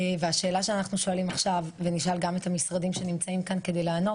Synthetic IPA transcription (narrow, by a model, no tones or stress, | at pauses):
veaʃe̞ːlaʃeanaχnuʃo̞alimaχʃavːeniʃalɡame̞tamisʁadimʃe̞nimt͡saimkanke̞d̪ejlaːno̞t